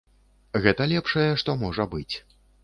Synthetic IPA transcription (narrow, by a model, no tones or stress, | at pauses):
ɣɛt̪ɐlʲɛpʂɐjɛʂt̪ɔmɔʐɐbɨt͡sʲ